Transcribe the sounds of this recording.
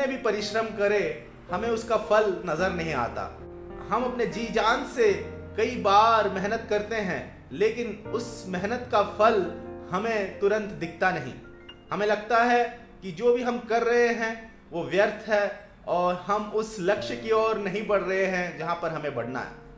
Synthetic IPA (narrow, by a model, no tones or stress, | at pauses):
ẽbʱipɐɾɪʃɾəmkɐɾe | hɐmẽʊskafʰɐlnɐzəɾnɐɦĩa̰ːt̪a̰ː | hɐmɐpned͡ʒiːd͡ʒaːnse | kɐibaːɾmɛɦnət̪kɐɾt̪eɦɛ̰̃ | leːkɪnʊsmɛɦnət̪kafʰɐlhɐmẽt̪ʊɾə̃nt̪d̪ɪk̚ʰt̪anɐɦḭ̃ː | hɐmẽlɐɡ̚t̪aɦɛ | kid͡ʒoːbʱiɦɐmkɐɾːɐɦeɦɛ̃ | ʋoʋjɐɾt̪ʰɦɛ | ɔːɾɦɐmʊslɐkʃkiɔːɾnɐɦĩbɐɽ̤ɾɐɦeɦɛ̃d͡ʒɐɦãpɐɾɦɐmẽbɐɽ̤na̰ɦɛ̰ː